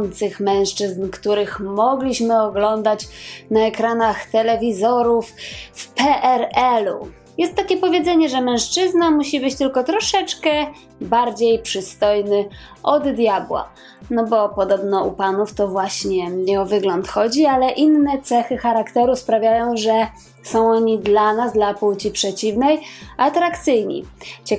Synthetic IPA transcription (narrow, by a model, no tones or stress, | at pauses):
nt̪sɘxmɛ̃w̃ʂt͡ʂɘznkt̪uɾɘxmɔɡlʲiɕmɘɔɡlɔnd̪at͡ɕnaɛkɾanaxt̪ɛlɛvʲizɔɾuffpɛʔɛɾɛlṵ | jɛst̪ːakʲɛpɔvʲjed̪zɛɲɛʐɛmɛ̃w̃ʂt͡ʂɘznamuɕibɘt͡ɕt̪ɘlkɔt̪ɾɔʂɛt͡ʂkɛ | baɾd͡ʑejpʂɘst̪ɔjnɘ | ʔɔd̪ːjabwa̰ | nɔbɔpɔd̪ɔbnɔupanuft̪ɔvwaɕɲɛɲɛɔvɘɡlɔnt̪xɔd͡ʑialɛʔinːɛt̪sɛxɘxaɾakt̪ɛɾuspɾavʲjajɔ̃w̃ʐɛ | sɔ̃w̃ɔɲid̪lanazd̪lapuwt͡ɕipʂɛt͡ɕivnɛjʔat̪ɾakt̪sɘjɲḭt͡ɕɛ